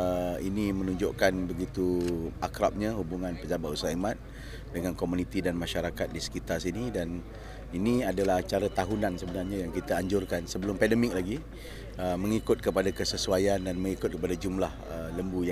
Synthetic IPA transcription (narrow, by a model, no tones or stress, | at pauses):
əinimə̃nũɲd͡ʒoʔkanbəɡit̪uakɾap̚ɲahubuŋãnpəd͡ʒabat̪usaimãt̪̚ | dəŋãnkomunĩt̪idanmãʃaɾakat̪̚disə̥kit̪arsinidan | iniadalaht͡ʃaɾat̪aɦunãnsəbənarɲãjaŋkit̪aaɲd͡ʒʊrkansəbəlʊmpɛndəmɪk̚laɡi | əməŋikʊt̪̚kəpadakəsəsuajandanmə̃ŋikʊt̪̚kəpadad͡ʒumlahələmbuj